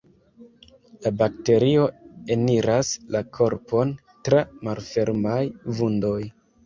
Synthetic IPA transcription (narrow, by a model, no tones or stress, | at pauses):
labak̚te̞ɾio̞eniɾaslakʰo̞ɾpʰo̞n | tɾamalfe̞ɾmajvundo̞j